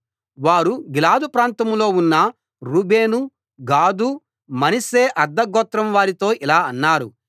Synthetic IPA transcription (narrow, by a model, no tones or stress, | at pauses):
ʋaːɾuɡilaːd̪upɾaːnt̪ɐmlo̞ːunːɐ | ɾuːbeːnu | ɡaːd̪u | mɐnɐseːʔɐɾd̪ːɐɡɔːt̪ɾɐmʋaːɾit̪o̞ːʔilaːɐnːaːɾṵ